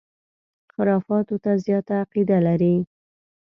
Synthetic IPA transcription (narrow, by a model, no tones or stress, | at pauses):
xɪɾɑfɑt̪ot̪azjɑt̪aːqid̪alaɾi